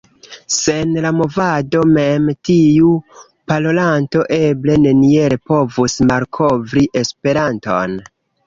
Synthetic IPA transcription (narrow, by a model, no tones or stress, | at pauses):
se̞nlamo̞vado̞me̞mtiu | palo̞lanto̞ʔe̞ble̞ne̞nieɾepo̞vusmalkʰo̞vɾiʔe̞spe̞ɾanto̞̰n